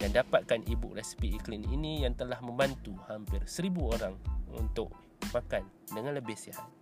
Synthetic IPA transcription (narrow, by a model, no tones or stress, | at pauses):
dandapat̪̚kanʔibʊ̰k̚rɛspiiklinḭnĩjaŋt̪əlahmə̃mbant̪uhampɪrsəɾibuoɾaŋṵnt̪ʊ̰k | makan | dəŋanləbɪhsiha̰t̪̚